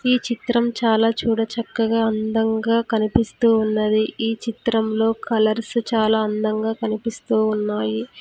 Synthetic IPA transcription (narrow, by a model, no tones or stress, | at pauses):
iːt͡ʃit̪ɾɐmt͡ʃaːlaːt͡ʃuːɽɐt͡ʃɐkːɐɡaːɐnd̪ɐŋɡaːkɐnipist̪uːunːɐd̪iiːt͡ʃit̪ɾɐmlo̞ːkʰɐlɐɾst͡ʃaːlaːɐnd̪ɐŋɡaːkɐnipist̪uːunːaːji